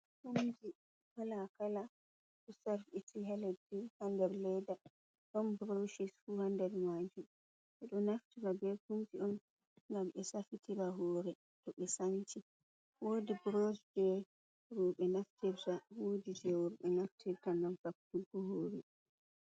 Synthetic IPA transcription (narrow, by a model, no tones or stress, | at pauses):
humd͡ʒi | kalakala | ɗusaɾfitʰiɦaledihandɛɾlɛjda | ɗɔnbɾoʃisfuhandɛɾmad͡ʒum | ʔɛɗɔnaftiɾabɛkumd͡ʒiɔn | ŋɡamɓɛsafitʰiɾaɦɔːɾɛ | tɔɓɛsanti | woːdibɾoʃd͡ʒɛ | ɾɔɓɛnaftɛɾtawodid͡ʒɛwɔɾɓɛnaftʰɛɾtanɡamfak̚tulɡɔɦoːɾi